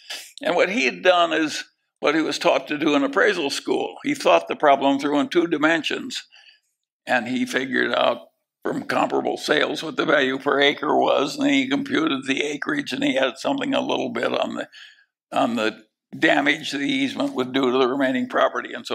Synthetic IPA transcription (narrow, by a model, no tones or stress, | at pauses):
ɨ̃nwʌt̚hiɨdʌ̃nɪz | wʌt̚hiwʌz̥tʰɔtʰɨdɨə̃nəpʰɹ̥eɪzl̩ˠskṵlˠiθɔt̪̚ðɨpʰɹ̥ɑblə̃mzɹuə̃ntʰudɨmɛ̃nʃɨ̰̃nz̥ | ʔɨ̃nifɪɡjə̰˞ɾa̰ʊt̚ | fɹʌ̰̃mkʰɑ̃mpə̰bl̩ˠseɪlˠzwʌt̪̚ðɨvælˠjʉpʰə˞eɪkə̰˞wʌ̰zñnikɨ̃mpʰj̥ʉɾɨd̪̚ðieɪkɹɪd͡ʒɨ̃niɨd̥sʌ̃mθɪ̃ŋə̰lɪ̰ɾl̩ˠbɪ̰ɾn̩ð | n̩ðɨ | dæmɪd͡ʒðɨɾiizmə̃nʔwədɨɾɨðɨɹɨmẽɪ̃nɪ̃ŋpʰɹ̥ɑpə˞ɾḭɨ̃nso